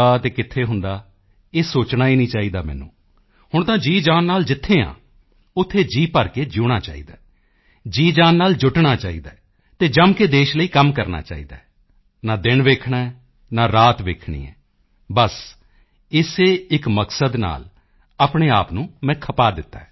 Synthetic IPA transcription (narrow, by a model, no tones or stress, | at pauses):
aːt̪eːkɪt̪ʰːeːɦʊnd̪aː | eːsoːt͡ʃnaːiːnĩːt͡ʃaːiːd̪aːmɛ̰ːnṵ̃ː | hʊɳt̪ãːd͡ʒiːd͡ʒaːnːaːld͡ʒɪt̪ʰːeːã̰ː | ʊt̪ʰːeːd͡ʒiːpəɾkeːd͡ʒʊːɽ̃aːt͡ʃa̰ːḭːd̪aː | d͡ʒiːd͡ʒãːnːaːld͡ʒʊʈɳaːt͡ʃaːḭːd̪aː | t̪eːd͡ʒəmkeːd̪eːʃləiːkəmkəɾna̰ːt͡ʃa̰ːḭːd̪a̰ːɛ | naːd̪ɪnʋeːkʰɳaːɛ | naːɾaːt̪ʋeːkʰɳḭːɛ̰ː | bəs | ɪseːɪkməksəd̪na̰ːl | aːpɳeːaːpnũːmɛ̃ːkʰəpaːd̪ɪt̪ːa̰ː